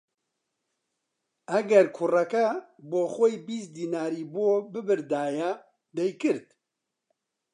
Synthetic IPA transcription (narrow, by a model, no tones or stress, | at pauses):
æɡɛɾkʰʊrɛkɐ | boːxʷojbiːs̚d̪iːnaːɾiːboːbɨbɨɾd̪aːjɛ | d̪ɛjkɨɾt̪